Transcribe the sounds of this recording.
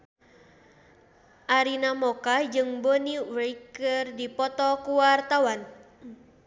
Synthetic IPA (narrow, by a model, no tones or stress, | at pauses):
ʔaɾinamɔkad͡ʒɨŋboniweikərdipɔt̪ɔkuwart̪awan